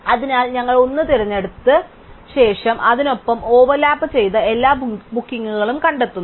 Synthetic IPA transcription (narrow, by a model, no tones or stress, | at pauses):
ɐðinaːlɲɐŋːɐɭonːɨt̪iɾɐɲːe̞ɽut̪ːɨ | ɕe̞ːʂɐmʔɐðino̞pːɐmo̞ːʋɐrlaːpːɨt͡ɕe̞jt̪ɨe̞lːaːbukːiŋːuɣɐɭumkɐɳɖe̞t̪ːunː